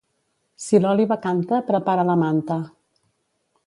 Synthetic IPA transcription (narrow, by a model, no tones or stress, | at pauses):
silɔliβəkant̪əpɾəpaɾələmant̪ə